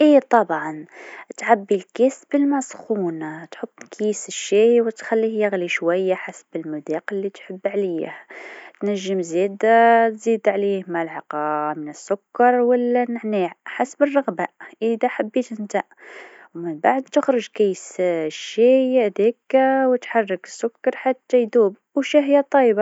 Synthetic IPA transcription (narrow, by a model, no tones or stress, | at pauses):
ʔit̪ˤɑbʕɑnt̪ʕabːilkæsbəlmɑsxunt̪ħob̪ːkʰijsəʃːiwət̪xælːihjaɣliʃwæjːaħasbəlmʊd̪iqəlːit̪ħəbːʕliht̪næʒːəmzid̪t̪zid̪ʕlihmalʕɑqɑmənəsːʊkːɑɾˤwəlːænəʕniʕħasbərˤːɑɣbaʔəd̪aħabːit̪ʔənt̪aʔ | wmənbaʕd̪̚t̪əxɾəʒkijːəsʃːid̪ikwət̪ħɑrˤːəkə̥sːʊkːɑɾˤħat̪ːæjd̪ub | wʃæɦəjːæt̪ˤːɑjbɑ